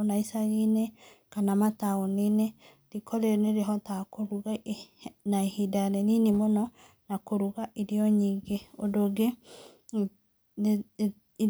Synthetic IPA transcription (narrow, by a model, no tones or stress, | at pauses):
naisaɣinekanamataɔnene | ɾikʰɔɾeneɾeɦɔtakoɾuɣa | naehidaɾɛninimonɔ | nakoɾuɣaʔiɾiɔɲiːɡeodoɡe